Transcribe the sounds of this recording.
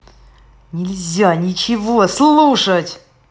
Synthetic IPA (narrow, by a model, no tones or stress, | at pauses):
nʲɪlʲzʲanʲɪt͡ɕɪvoslˠuʂətʲ